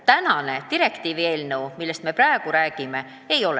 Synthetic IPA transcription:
t̪ænɑne̞t̪iɾe̞kt̪iːvie̞ːlnewmilːe̞st̪me̞prɑeɡ̥uɾæːɡ̥ime̞ | ejo̞l

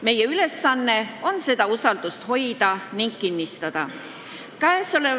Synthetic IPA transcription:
me̞jeyle̞sːɑnːe̞o̞nse̞d̪̥ɑusɑld̪̥ust̪ho̞jd̪̥ɑniŋɡ̚kinːist̪ɑd̪̥ɑ | kæeso̞le

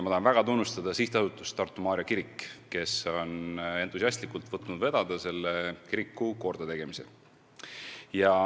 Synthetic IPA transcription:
mɑt̪ɑhɑnvæɡ̥ɑt̪unːust̪ɑd̪̥ɑsiht̪ɑsut̪ːˑust̪ɑrt̪ːˑumɑːɾjɑkiɾikːkːe̞so̞ne̞nt̪ːˑus̬ʲiɑst̪likːˑult̪vɤt̪ːˑnud̪ve̞d̪̥ɑd̪̥ɑse̞lːekiɾikːˑuko̞rd̪̥ɑt̪e̞ɡ̥e̞mise̞̰ | jɑ

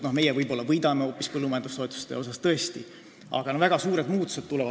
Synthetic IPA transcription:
no̞hme̞jevɤjbo̞lːɑvɤjd̪̥ɑmeoːpːˑispɤlːumɑjend̪ust̪o̞et̪ːu̥st̪ḛo̞sɑst̪ɤ̞est̪i | ɑ̰ɡ̥ɑnovæɡ̥ɑsuːɾe̞d̪muːt̪ːˑu̥se̞t̪̚t̪ːulɛvɑ

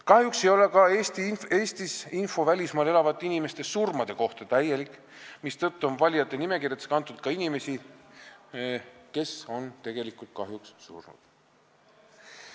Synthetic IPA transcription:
kɑhjukse̞jo̞le̞kɑeːst̪ie̞ːsʲt̪isinfo̞vælʲismɑːle̞lɑvɑt̪ːˑinime̞st̪e̞surmɑd̪̥e̞ko̞ht̪ɑt̪æje̞likˑː | mist̪ɤ̞t̪ˑːuo̞nvɑlʲjɑt̪ːˑenime̞kirjɑt̪eskɑnt̪ːˑud̪̥kɑinime̞si | ke̞so̞nt̪e̞ɡ̥e̞likˑult̪̚kɑɦjukssṵrnṵd̪̥

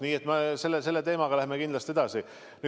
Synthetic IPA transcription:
niːe̞t̪mɑse̞lːese̞lːe̞t̪e̞ːmɑɡ̥ɑlæhmekind̪lɑst̪e̞d̪ɑsi | ny

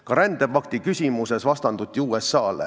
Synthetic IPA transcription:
kɑɾænd̪̥e̞pɑkt̪ikysʲimuse̞svɑst̪ɑnd̪ut̪ʲːiuːesːɑːlḛ

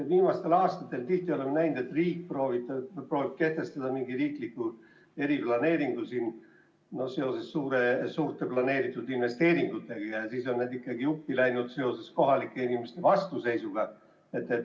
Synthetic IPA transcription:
viːmɑst̪e̞lɑːst̪ɑ̥t̪ːˑe̞lt̪iht̪io̞lemːenæjnud̪et̪riːk̚proːvit̪ːɑpro̞ːvib̥̚ke̞ht̪e̞st̪ɑd̪̥ɑmiŋɡ̥iriːklikːu | e̞ɾiplɑne̞ːɾiŋɡ̥usin | no̞hse̞o̞se̞sːuːɾe̞suːrt̪ːˑe̞plɑne̞ːɾit̪ːˑud̪̥inve̞st̪e̞ːɾiŋɡ̥ut̪ːˑe̞ɡ̥ɑjɑsiːso̞nnæd̪ikːɑɡiupːilæjnud̪̥se̞o̞se̞sko̞ɦɑlikːˑe̞inimest̪e̞vɑst̪use̞jsuɡ̥ɑ | e̞t̪ːˑet̪

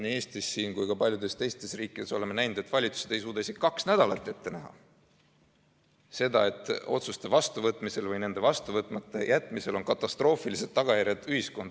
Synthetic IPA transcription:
niːe̞ːst̪isːiːnkujkɑpɑlʲjud̪̥e̞st̪e̞jst̪e̞sriːkːˑid̪̥e̞so̞le̞menæjnud̪̥e̞t̪vɑlʲit̪su̥sed̪̥e̞jsuːd̪ɑise̞ɡ̥i̥kɑksnæd̪̥ɑlɑt̪ˑːe̞t̪ːe̞næɦɑ̰ | se̞d̪ɑ̰e̞t̪ːˑo̞̰t̪sust̪e̞vɑst̪uvɤt̪ːˑmise̞lvɯjne̞nd̪̥e̞vɑst̪uvɤt̪ːˑmɑt̪ːˑe̞̰jʔæt̪ːˑmise̞lo̞nkɑt̪ːˑɑst̪ro̞ːfilise̞d̪̥ːɑɡ̥ɑjæɾʲjɑed̪̥yhisko̞nd̪

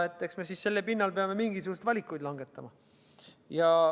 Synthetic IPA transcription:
et̪ːˑeksme̞sisse̞lːepinːɑlpe̞ɑme̞miŋɡ̥isuɡ̥ust̪vɑlʲikːˑujd̪lɑŋɡe̞t̪ːˑɑmɑ | jɑ

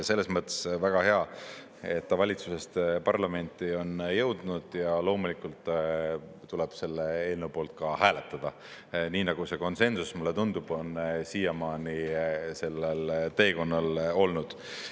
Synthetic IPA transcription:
selːe̞smɤt̪ːˑe̥svæɡ̥ɑheɑ | e̞t̪ːɑvɑlʲit̪suse̞st̪pɑrlɑme̞nʲt̪ˑio̞njɤ̞wd̪̥nud̪̥jɑlo̞ːmulikːˑult̪ˑ | t̪ule̞b̥se̞lːeelnewpo̞ːlt̪̚kɑhæːle̞t̪ːˑɑd̪̥ɑ | niːnɑɡ̥use̞ko̞nse̞nsusmulːe̞t̪und̪ub̥o̞nsiːɑmɑːnise̞lːelt̪e̞ːko̞nːɑlo̞lnud̪̥

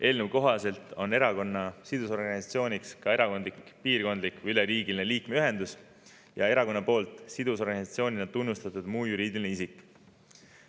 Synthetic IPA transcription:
ʔe̞ːlnuvko̞ɦɑse̞lt̪ˑo̞nːe̞ɾɑko̞nːɑsid̪̥uso̞rɡɑnʲisɑt̪sio̞ːnʲikskɑe̞ɾɑko̞nd̪likpiːrko̞nd̪likvyleɾiːɡ̥ilineliːkme̞yɦe̞nd̪us | jɑ̰e̞ɾɑko̞nːɑpo̞ːlt̪ˑsid̪̥uso̞rɡɑnisɑt̪sio̞ːnʲinɑt̪unːust̪ɑt̪ud̪̥muːjuɾiːd̪̥ilineisikˑː

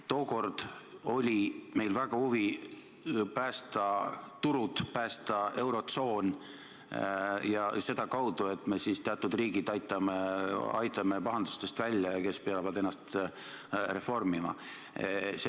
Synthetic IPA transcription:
t̪o̞ːko̞rd̪̥o̞lʲime̞jlvæɡ̥ɑhuvi | pæːst̪ɑt̪uɾud̪̥pæːst̪ɑe̞wɾo̞t̪so̞ːn | jɑse̞d̪̥ɑkɑwd̪̥ue̞t̪ˑme̞sist̪eɑt̪ːˑud̪riːɡid̪ɑjt̪ːˑɑmeɑ̰jt̪ˑɑme̞pɑɦɑnd̪u̥st̪e̞st̪vælʲːjɑjɑke̞speɑlvɑd̪e̞nːɑst̪ | re̞fo̞rmimɑ̰ | se

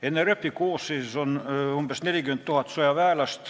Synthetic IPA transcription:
enːerøpːikuːsːiːsonumbest̪neljikyment̪t̪uhɑt̪sojɑʋæːlæst̪

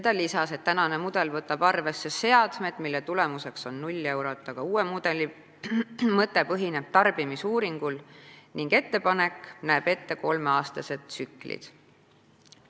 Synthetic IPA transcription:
sed̪̥ɑlisɑse̞t̪ːænɑne̞mud̪̥e̞lvɤt̪ːˑɑb̥ɑrve̞sːe̞se̞ɑd̪̥med̪̥milːet̪ulemuse̞kso̞nːulʲːe̞wɾo̞t̪ːˑɑɡ̥ɑuːwemud̪̥e̞li | mɤt̪ːˑe̞pɤɦine̞b̥t̪ɑrb̥imisuːɾiŋɡ̥ulniŋɡ̥e̞t̪ːe̞pɑne̞knæːb̥e̞t̪ːe̞ko̞lmeɑːst̪ɑse̞d̪̥sykˑlḭd̪̥

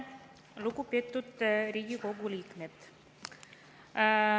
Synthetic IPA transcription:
lukupet̪ːut̪ɾiɡʲiɡoɡulikmet̪

